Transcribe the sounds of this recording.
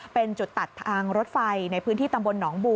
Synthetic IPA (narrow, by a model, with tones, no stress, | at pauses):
pe˧nt͡ɕu˨˩t̪ːa˨˩t̪ʰːaː˧ŋɾo˦˥t̪̚fa˧jna˧jpʰɯː˦˥nt̪ʰiː˥˩t̪a˧mbo˧nːɔː˩˦ŋbuː˧